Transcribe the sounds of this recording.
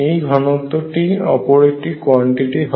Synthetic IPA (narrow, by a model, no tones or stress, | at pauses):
ejɡʱɔnɔt̪ːɔʈiɔpɔɾeʈikwɔɳʈiʈiɦ